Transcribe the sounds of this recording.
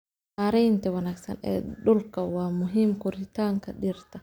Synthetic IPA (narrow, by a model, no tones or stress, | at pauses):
aːɾɛjnt̪ʰɐwɐnaːɡsɐ̰nɛ̰ːɗʊlkʰɐwaːmʊɦiːmkʊɾɪt̪ʰaːŋkʰɐɗɪɾt̪ʰɐ